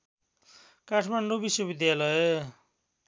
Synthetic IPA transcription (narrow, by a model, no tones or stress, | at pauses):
kaʈʰmaɳɖobiswʌbid̪jalʌe